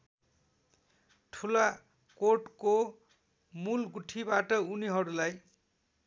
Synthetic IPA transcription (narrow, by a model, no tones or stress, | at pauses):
ʈʰula | koʈko | mulɡuʈʰibaʈʌuniɦʌɾulaj